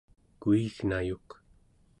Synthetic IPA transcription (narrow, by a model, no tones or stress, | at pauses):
kuiɣnajuq